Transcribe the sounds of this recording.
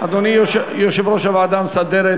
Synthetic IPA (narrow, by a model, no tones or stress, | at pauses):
ad̪onijoʃjoʃevɾoʃavaːd̪amsad̪eɾe